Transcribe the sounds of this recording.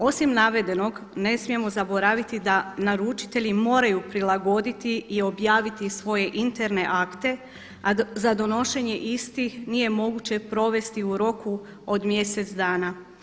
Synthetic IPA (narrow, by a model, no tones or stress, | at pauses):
o̞simnaʋe̞d̪e̞no̞ɡne̞smije̞mo̞zabo̞ɾaʋit̪id̪anaɾut͡ʃi̥t̪e̞ʎimo̞ːɾajupɾilˠaɡo̞d̪it̪iio̞bjaːʋit̪isʋo̞je̞ʔint̪e̞ɾne̞ʔakt̪e̞ | azad̪o̞no̞ʃe̞ɲe̞ʔist̪ixnije̞mo̞ɡut͡ɕe̞pɾo̞ʋe̞st̪iuɾo̞ku | od̪mje̞se̞t̪sd̪aːna